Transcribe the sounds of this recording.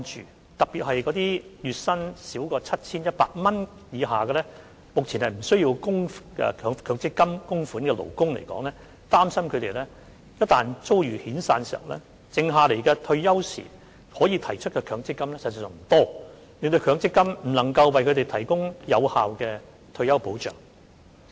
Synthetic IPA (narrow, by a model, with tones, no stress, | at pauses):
nt͡ʃyː˨ | t̪ɐ˨k̚piː˨t̚hɐ˨jkɔ˨˥t̪iː˥jyː˨t̚sɐ˥nsiː˨˥wkɔː˧t͡sʰɐ˥t̚t͡sʰiː˥njɐ˥t̚paː˧k̚mɐ˥n | jiː˨˧ɦaː˨kɛː˧lɛː˥ | mʊ˨k̚t͡sʰiː˨˩nhɐ˨jm̩˨˩sɵ˥ɥji˧wkʊ˥ŋɛ̰˧kʰːŋkʰœː˨˧ŋt͡sɪ˥kːɐ˥mkʊ˥ŋfu˨˥nkɛː˧lo̰˨˩wkʊ˥ŋlḛ˨˩jkɔ̰ː˨˥ŋlɛː˥ | t̪aː˥msɐ˥mkʰɵ˨˧ɥt̪e˨jlɛː˥ | jɐ˥t̚t̪aː˨˩nt͡so˥wjyː˨˩hiː˨˥nsaː˧nsiː˨ɐ̰˨˩wlɛ̰ː˥ | t͡sɪ˨ŋɦaː˨˧le˨˩jkɛː˧t̪ʰɵ˧ɥjɐ˥wsḭː˨˩ | hɔː˨˥jiː˨˧t̪ʰɐ˨˩jt͡ʃʰɵ˥t̚kɛː˧kʰœː˨˧˥ŋt͡sɪ˥kːɐ˥mlɛː˥sɐ˨t̚t͡sa˨˩œː˨ŋm̩˨˩t̪ɔː˥ | lɪ˨ŋt̪ɵ˧ɥkʰœː˨˧ŋt͡sɪ˥kːɐ˥mm̩˨˩lɐ˨˩ŋkɐ˧wwɐ˨jkʰɵ˧t̪e˨jt̪ʰɐ˨˩jkʊ˥ŋjɐ˨˧whaː˨wkɛː˧ | t̪ʰɵ˧ɥjɐ˥wpo˨˥wt͡ʃœ̰ː˨˩ŋ